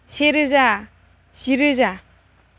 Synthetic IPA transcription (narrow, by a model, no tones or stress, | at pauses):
seɾɯza | siɾɯza